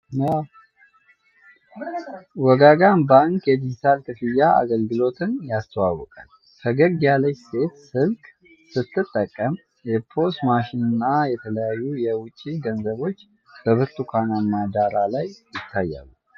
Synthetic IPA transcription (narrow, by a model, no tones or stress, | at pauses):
jaw | wɔɡaɡanbaŋkjɛd̪id͡ʒit̪ʰalkʰɨfɨjːaa̰ɡəlɡɨlo̞t̪ʰɨnjast̪ʰəwawɔkʼal | kʰəɡəɡjaləɲse̞t̪sɨlkʼ | sɨt̪ʰːɨt̪ʼːəkʼːəm | jɛpʰo̞smaʃɪnɨnːajɛt̪ʰələjajːujɛwʊt͡ʃʼːiɡənzəβo̞t͡ʃː | b̥əβɨɾt̪ʼukʰananːad̪aɾalajjɪt̪ʰːajːa̰lːu